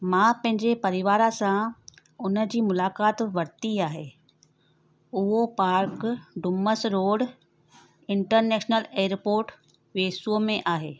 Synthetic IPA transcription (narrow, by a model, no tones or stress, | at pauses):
mãːpɐ̃ɦɪ̃ɲd͡ʑepɐɾɪʋaːɾasã | ʊnə̆d͡ʑiːmʊlaːkaːt̪ʋɐɾt̪iaːɦeː | ʊɦopaːɾkɖʊməsɾoːɽ | ɪ̃ɳʈəɾneːʃnəleːɾpoːɾʈ | ʋeːsuomẽʔaːɦeː